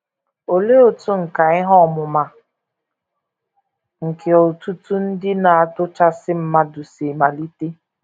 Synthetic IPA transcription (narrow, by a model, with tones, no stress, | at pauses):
o˨le˦o˦˨tu˦ŋ̩˨ka˨ɪ˦ɦɔ˦˨mʊ˨ma˨ | ŋ̩˨kʰe˨o˨tu˦tu˦n̩˦dɪ˦na˨a˨tʊ˦t͡ʃa˦sɪ˦m̩˦ma˦dʊ˨se˨ma˨li˦te˦